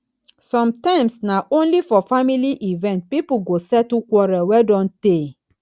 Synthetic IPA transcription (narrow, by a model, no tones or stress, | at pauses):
sɔ̃mtãɪ̃msnaʔõnlifɔfamiliʔivɛ̃nt̚pipuɡosɛtukwɔɾawɛdɔ̃nte